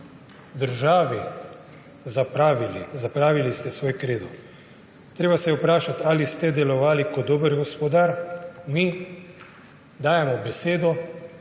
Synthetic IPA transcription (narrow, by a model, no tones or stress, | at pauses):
d̪əɾʒaːʋi | zapɾaʋilizapɾaːʋilist̪ɛsʋoːjkɾeːd̪ɔ | t̪ɾeːbasɛjɛupɾaːʃat̪aːlist̪ɛd̪ɛlɔʋaːlikɔd̪oːbəɾɡɔspɔd̪aɾmi | d̪aːjɛmɔbɛseːd̪ɔ